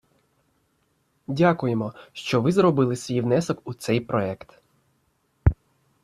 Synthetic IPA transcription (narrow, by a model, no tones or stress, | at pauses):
dʲakʊjemɔʃt͡ʃɔʋɪzɾɔbɪlˠɪsʲʋʲijʋnɛsɔkut̪sɛjpɾɔɛkt̪